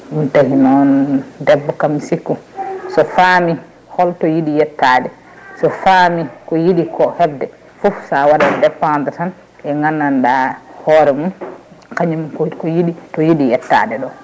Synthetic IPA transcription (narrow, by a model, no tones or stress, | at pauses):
mitahinɔndɛbːɔkamsikːusɔfami | hɔltɔjiɗijɛtːaːdɛ | sɔfamikɔjiɗikɔhɛbdɛ | fofsawaɗadɛpːandatan | ɛŋɡanːandahɔːɾɛmun | kaɲimkkɔjiɗitɔjiɗijɛtːa̰dɛɗɔ